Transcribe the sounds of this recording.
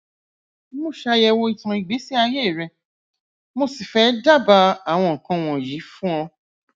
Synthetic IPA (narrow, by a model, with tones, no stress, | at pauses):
mo˦˨ʃa˧jɛ˧wo˧i˦˧tã˧i˨ɡ͡be˨˦si˦a˧je˦˨ɾɛ˧˨ | mo˧si˨fɛ˨˦da˦˨ba˧a˨w̃ɔ̃˧˨kã˧w̃ɔ̃˧˨ji˨˦fũ˦ɔ̃˧